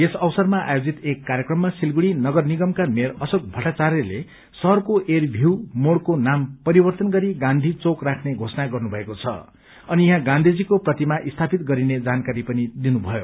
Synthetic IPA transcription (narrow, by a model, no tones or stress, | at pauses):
esʌwsʌrmaʔa̰jod͡zit̪ekːaɾjekrʌmːasilɡuɽinʌɡʌrniɡʌmkameɾʌsok̚bʱʌʈːat͡saɾele | sʌɦʌrkoʔerbʱiwmoɽkonampʌɾibʌrt̪ʌnɡʌɾiɡãnd̪ʱit͡sokrakʰneɡʱosʌnaɡʌrnubʱʌekot͡sʰʌ̰ | ʌnijʌɦãɡãnd̪ʱid͡zikoprʌt̪imaʔist̪ʰapit̪ɡʌɾined͡zankaɾipʌnid̪inubʱʌjo̰